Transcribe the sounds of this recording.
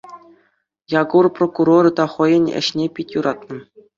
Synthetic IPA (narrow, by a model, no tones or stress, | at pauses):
jɑɡurprokuɾoɾɤt̪ɑχɤ̆jɤ̆nʲɘ̰̆ɕnʲepʲitʲjuɾʔɑt̪nɤ̆